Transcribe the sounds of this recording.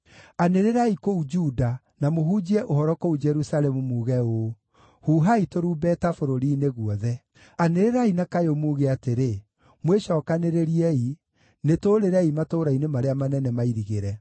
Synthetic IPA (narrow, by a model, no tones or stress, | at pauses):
aneɾeɾaikoud͡ʒuda | namoɦud͡ʒiɛʔohɔɾɔkoud͡ʒɛɾusalɛmumuːɣɛo | huːɦaitoɾuːbɛtafoɾoɾiːneɣuɔðɛ | aneɾeɾainakajomuːɣeateɾe | mweʃɔːkaneɾeɾiɛi | netoːɾeɾɛimatoːɾainemaɾeamanɛnɛmaiɾiɣeɾɛ